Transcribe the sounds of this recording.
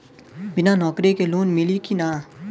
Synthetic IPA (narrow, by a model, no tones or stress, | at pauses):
bɪnanɔːkɾikeluːnmɪlikinaː